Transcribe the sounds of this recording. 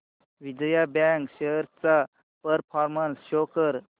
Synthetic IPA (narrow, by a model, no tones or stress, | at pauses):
ʋid͡ʑəjabãŋkɕejəɾt͡sa | pəɾpʰɔɾmənsɕokəɾ